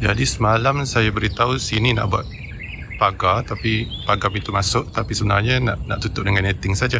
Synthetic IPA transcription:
d͡ʒadisəmalamsajabəɾit̪ausinina̰ʔbua̰t̪̚ | paɡat̪apipaɡapit̪umasʊʔt̪apisəbənarɲanaʔna̰ʔt̪ut̪ʊʔ̚dəŋanet̪ɪŋsad͡ʒa

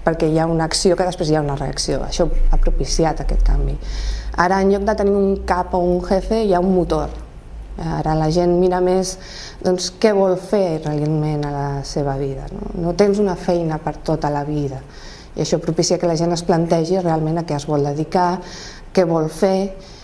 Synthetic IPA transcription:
pəɾkɛjaunəksiokəðəspɾezjaunəreə̰ksio̰ə̰ʃɔapɾupisiat̪əkɛ̰t̪̚ka̰mbiaɾəːnʎɔk̚d̪ət̪əniuŋkapouŋxefeiaumːut̪oɾ | a̰ɾələʒenmiɾəmes | d̪ɔnskɛβ̞ɔlˠferelemenələseβ̞əβiðə̰no̰not̪enzunəfɛjnəpəɾt̪ot̪ələβiðə | ḭəʃɔpɾupisiakələʒenəsplənt̪ɛʒirealˠmẽnəkɛəzβɔlˠd̪əðika | kɛβ̞ɔlfe

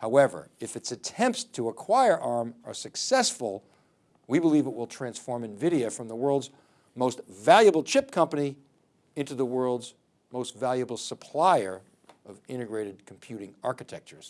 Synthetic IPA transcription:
haʊɛvə̰˞ɨfɨtsɨtʰɛ̃mpttʰəəkʰw̥aɪə˞ʔɑɹmə̰˞sɨksɛsfl̩ˠ | wibəlivət̚wɪlˠtʰɹ̥æ̃nsfɔɹmɨ̃nvɪɾioʊfɹʌ̃mðəwɜ˞lˠdz | moʊstvælˠjɨbl̩ˠt͡ʃʰɪp̚kʰʌ̃mpɨni | ɪ̃ntʉðəwɜ˞lˠdz | moʊstvælˠjɨbl̩ˠsəpʰl̥aɪə˞ | ʌvɪ̃ɾ̃ɨɡɹeɪɾɨd̚kʰm̩pʰj̥ʉɾɪ̃ŋɑɹkɨtʰɛk̚t͡ʃə˞z̥

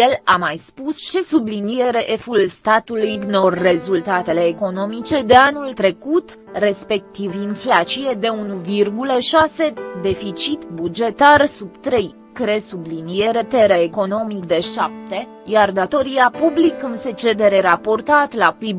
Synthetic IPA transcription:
jelamajspust͡ʃe̞sublinije̞ɾe̞ʔefulst̪at̪ulujɡnorːe̞zult̪at̪e̞le̞ːko̞no̞mit͡ʃe̞d̪e̞anult̪ɾe̞kut̪ | re̞spe̞k̚t̪ivinflat͡ʃije̞d̪e̞unuvirɡuləʃase̞d̪e̞fit͡ʃit̪bud͡ʒe̞t̪arsub̚t̪ɾe̞j | kɾe̞sublinije̞ɾe̞t̪eɾeːko̞no̞mik̚d̪e̞ʃap̚t̪e̞ | jard̪at̪o̞ɾiapublikɨnse̞t͡ʃe̞d̪e̞ɾe̞ɾapo̞rt̪at̪lapib

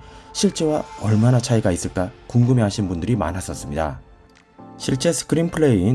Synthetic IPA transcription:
ɕʰiɭt͡ɕ͈ewaʌɭmanat͡ɕʰaiɡais͈ɯɭk͈akuŋɡɯme̞ɦaɕʰinbundɯɾima̰nɦas͈ʌs͈ɯmɲida̰ | ɕʰiɭt͡ɕ͈e̞sʰɯ̥kɯɾinpʰɯɭe̞i

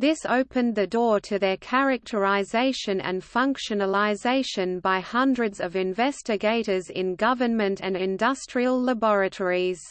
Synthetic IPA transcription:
ðɪsoʊpʰɨ̃nðɨdɔːɹɾʰɨðə˞kʰæɹɨk̚tʰə˞ɪzeɪʃɨ̃nɨ̰̃nffʌ̃ŋkʃɨnəlˠɪzeɪʃɨ̃nbaɪhʌ̃ndɹɨdzʌvɪ̃ɱvɛstɨɡeɪɾə˞zɪ̰̃nɡʌvənmɨ̃ntʰɨ̃nɪ̃ndʌstɹ̥iəlˠːəbɔɹɨtʰɔɹiz̥

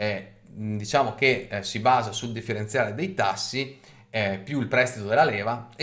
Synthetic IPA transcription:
ɛ | d̪it͡ʃaːmok̟esibaːzasuld̪ifːeɾent̪sjaːɾed̪ejt̪asːi | pjuilpɾɛst̪it̪od̪elːalɛːva

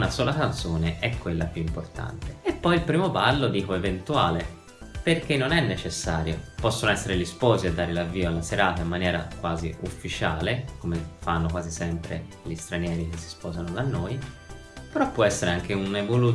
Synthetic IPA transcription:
nasɔːlakant̪soːneʔɛkːwelːapjuimport̪a̰nt̪e̥epːɔjilpɾiːmobalːod̪iːkoevent̪uaːle | perkenːonɛnːet͡ʃesːaːɾjopɔsːonoɛsːeɾelispɔːziad̪ːaːɾelavːiːoalːaseɾaːt̪aimːanjɛːɾa̰kwaːziufːit͡ʃaːlekomefanːokwaːzisɛmpɾḛ | ʎist̪ɾanjɛːɾik̟esːi̥spɔːzanod̪anːoːj | peɾɔpːwɔɛsːeɾeaŋkeunevolu

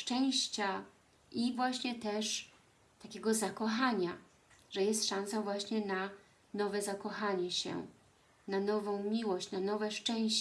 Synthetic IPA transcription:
ʂt͡ʂɛ̃w̃ɕt͡ɕa | ivwaɕɲɛt̪ɛʂ | t̪akʲeɡɔzakɔxaɲa | ʐɛjɛst̪ʂãñsavwaɕɲɛna | nɔvɛzakɔxaɲɛɕɛ̰ | nanɔvɔ̃w̃mʲiwɔɕt͡ɕnanɔvɛʂt͡ʂɛ̃w̃ɕ

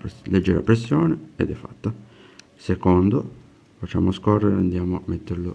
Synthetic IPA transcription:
led͡ʒːɛɾa̰pɾesːjɔːneḛd̪ɛfːat̪ːa | sekond̪o | fat͡ʃːa̰ːmoskɔrːeɾeand̪jaːmoamet̪ːeɾlo

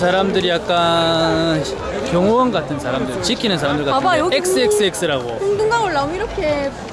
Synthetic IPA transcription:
sʰaɾamdɯɾijak̚k͈a | n | kjʌŋowʌnɡatʰɯnsʰaɾamdɯɭt͡ɕikʰinɯns̬ʰaɾamdɯɭkaaek̚s͈ɯeks͈ɯek̚s͈ɯɾaɡo̰sʰŋduŋɡaŋoɭːaomiɾʌkʰe

